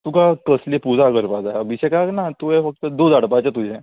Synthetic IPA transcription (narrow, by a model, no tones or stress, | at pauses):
t̪ukakəslepud͡zaɡəɾpad͡zajabiɕɛkaknat̪uɦɛfək̚t̪əd̪od͡zaɽpat͡ɕat̪ud͡ʑɛ̃